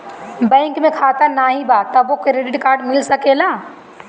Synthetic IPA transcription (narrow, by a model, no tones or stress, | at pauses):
bɛ̃ːŋkmẽkʰat̪ənaːɦĩbat̪əbokɾeɖɪʈkaːɾɖmɪlsəkelaː